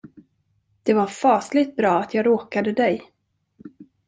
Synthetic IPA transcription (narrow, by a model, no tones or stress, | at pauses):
d̪̥ɛvaɾfɑːslɪɡt̪̚bɾɑːat̪ʰjɑːɡɾoːkad̪əd̪ɛj